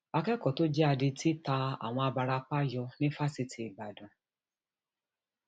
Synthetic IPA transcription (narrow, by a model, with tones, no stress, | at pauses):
a˧kɛ˦kɔ˨to˦d͡ʒɛ˦a˧di˧tʰi˦ta˧a̰˨w̃ɔ̃˧a˧ba˧ɾa˧k͡pa˦jɔ˧nĩ˦fa˦si˧tʰi˨i˨ba˨dũ˨